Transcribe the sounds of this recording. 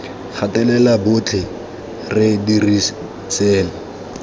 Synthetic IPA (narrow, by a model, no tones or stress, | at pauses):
χʰatʼɛlɛlabʊt͡ɬʰɪ | rɪdiri | sɛːla